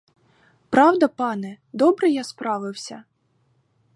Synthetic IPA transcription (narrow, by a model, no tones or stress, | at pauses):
pɾɑwd̪ɐpɑnɛ | d̪ɔbɾɛjaspɾɑʋɪwsʲɐ